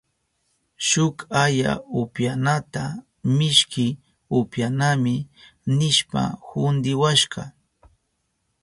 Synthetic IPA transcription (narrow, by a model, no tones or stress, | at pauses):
ʃʊkaja̰ʊpjanat̪a | mɪʃkɪ | ʊpjanamɪnɪʃpa̰hʊnd̪ɪwaʃɢɑ